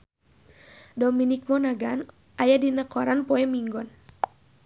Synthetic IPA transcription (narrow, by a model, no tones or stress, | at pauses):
dɔminik̚mɔnaɡan | ʔajadinəkɔɾanpɔɛmiŋɡɔn